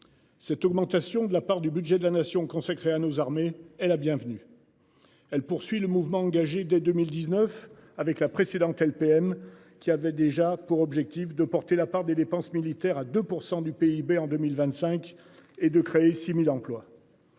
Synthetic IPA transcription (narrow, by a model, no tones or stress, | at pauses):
sɛt̪ɔɡmɑ̃t̪asjɔ̃d̪əlapaʁd̪ybyd̪ʒɛd̪əlanasjɔ̃kɔ̃sakχeanozaʁmeɛlabjɛ̃vny | ɛlpuʁsɥiləmuvmɑ̃ɑ̃ɡaʒed̪ɛd̪əmild̪iznœfavɛklapχesed̪ɑ̃t̪ɛlpeɛm | kʲiavɛd̪eʒapuʁɔbʒɛk̚t̪ifd̪əpɔʁt̪elapaʁd̪ed̪epɑ̃smilit̪ɛʁad̪əpuʁsɑ̃d̪ypeibeɑ̃d̪ømilvɛ̃t̪sɛ̃k | ed̪əkχeesimilɑ̃plwa